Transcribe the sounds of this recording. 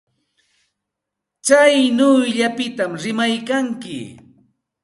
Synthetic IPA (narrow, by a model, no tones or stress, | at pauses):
t͡ʃajnʊjʎapɪt̪amɾɪmajkaŋkɪ̰